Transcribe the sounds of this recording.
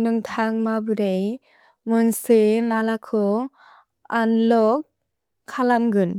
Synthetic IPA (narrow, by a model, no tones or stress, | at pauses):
nɯŋtʰaŋmabuɾej | munsɯnalakʰɔ | anlɔk̚ | kʰːalamɡɯn